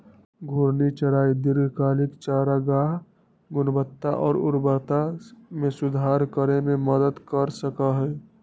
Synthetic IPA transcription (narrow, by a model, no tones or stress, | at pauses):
ɡʱʊɾnit͡ʃəɾaːid̪ɪɾɡʱkaːlɪkt͡ʃaːɾaɡaːɦ | ɡʊnbət̪ːaʔɔːɾʊ̰ɾbət̪amẽsʊd̪ʱaːɾkəɾemẽməd̪əd̪kəɾsəkaɦɛː